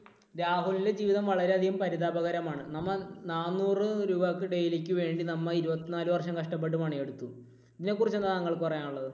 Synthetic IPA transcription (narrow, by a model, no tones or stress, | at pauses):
ɾaːɦulile̞d͡ʑiːʋiðɐmʋɐɭɐɾe̞ɐd̪ʱiɣumpɐɾiðaːbɐɣɐɾɐmaːɳɨnɐmːɐnaːnːuːrɨɾuːbakːɨɖe̞jilekʲːɨʋe̞ːɳɖinɐmːɐiɾubɐt̪ːinaːluʋɐrʂɐmkɐʂʈɐp̬ːe̞ʈ̬ːumaːɳije̞ɽut̪ːu | iðine̞kːurit͡ɕːe̞nːanɐŋːɐɭkɨpɐrɐjaːnuɭːɐðɨ